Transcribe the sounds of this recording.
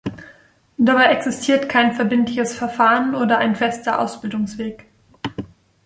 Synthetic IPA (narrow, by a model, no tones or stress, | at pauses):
d̥abaɪʔɛksɪstʰiːɐtkʰaɪnfɛɐbɪntlɪçəsfɛɐfaːʁənʔoːdɐʔaɪnfɛstɐʔa̰ʊsb̥ɪldʊŋsv̥eːk